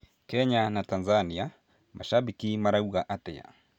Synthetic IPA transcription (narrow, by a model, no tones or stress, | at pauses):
kɛɲanatanzania | mʔaʃaɓikimaɾauɣaʔatɛ̰ja̰